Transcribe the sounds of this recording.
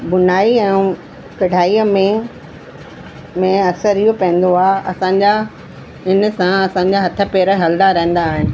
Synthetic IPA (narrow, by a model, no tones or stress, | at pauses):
bʊnaːiɛ̃ː | kɐɖ̤ʱaːiːəmẽ | mẽɐsəɾijopɐ̃ɦɪ̃nd̪oaːɐ̰sãɲd͡ʑa | ɪn̆sãɐsãːɲ̆d͡ʑaɦɐt̪ʰə̆peːɾəɦɐld̪aɾɐɦə̃nd̪aːɦɪnɪ̆